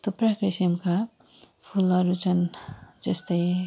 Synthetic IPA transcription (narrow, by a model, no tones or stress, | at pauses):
t̪oprakɾisimka | pʰulʌɾut͡sʰʌnd͡zʌst̪ʌj